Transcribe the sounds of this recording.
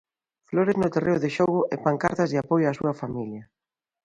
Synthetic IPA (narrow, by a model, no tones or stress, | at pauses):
floɾeznʊt̪erʔeoðɪʃoɣʊʔɛpaŋkaɾt̪ɐzðɪapojʊaːsṵɐfamiljɐ